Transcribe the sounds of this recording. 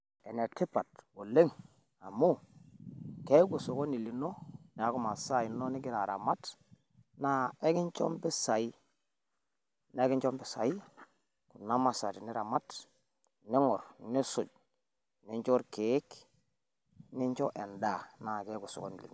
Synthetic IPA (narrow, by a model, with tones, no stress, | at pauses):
e˨ne˨ti˦pa˨two˨le˦ŋ | a˨mu˦ | ke˦ɡu˨so˨ko˦ni˨li˨no˦ni˨a˦ku˦ma˨sa˦i˨no˦ni˦ɡi˦ɾa˨ɾa̰˨ma˦t | na˦e˦ki˦nt͡ʃo̰˦mbi˦sa˨i˦ | na˨˦e˦ɡi˦nt͡ʃo˦mbi˨sa˨i˦ | ku˨na˦ma˨sa˨ti˨ni˦ɾa˨ma˦t | ni˦ŋo˨ɾni˦sṵ˨ɟ̚ | ni˦ɲt͡ʃo˦ɾke˨˦k | ni˦ɲt͡ʃo˦ʔe˨nda˨na˨ke˦ɡu˨so̰˨ko̰˦nḭ˨lḭ˨no˨